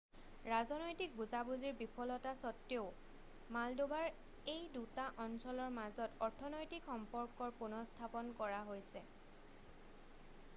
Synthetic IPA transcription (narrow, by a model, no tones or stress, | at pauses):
ɹazɔnojtik̚buzabuziɹbipʰɔlɔtasɔtːjoʊ | maldubaɹ | ejdutaʔɔnsɔlɔɹmazɔtɔɹtʰɔnojtikxɔmpɔɹkɔɹpunɔstʰapɔnkɔɹaɦojsɛ